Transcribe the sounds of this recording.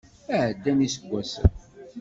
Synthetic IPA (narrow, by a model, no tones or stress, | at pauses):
æʕəd̪ːænisəɡʷːæsə̰n